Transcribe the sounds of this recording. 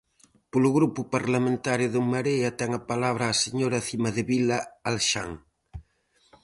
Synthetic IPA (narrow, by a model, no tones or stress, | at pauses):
poluɣɾupupaɾlamẽnt̪aɾjʊðumːaɾeat̪ɛŋapalaβɾaːseɲoɾaθimɐðeβilaːlʃa̰ŋ